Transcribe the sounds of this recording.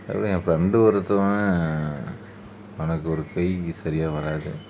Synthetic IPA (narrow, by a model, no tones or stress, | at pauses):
ɛ̰pːɐɽĩfɾɛɳɖɯʋɐɾɐt̪ːɯa | ɐnɐkːɯɔɾɯkɐɪsɐɾɪjaːʋɐɾaːðɯ